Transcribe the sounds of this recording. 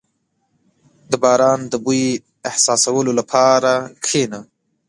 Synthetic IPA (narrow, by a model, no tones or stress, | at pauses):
d̪əbɑɾɑːnd̪əbu | ɪhsɑsawəlolapʰɑɾakʰena